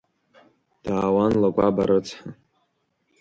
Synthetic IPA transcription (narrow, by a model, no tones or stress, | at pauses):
d̥aːwanlakʷʼabaɾɨt͡sʰħa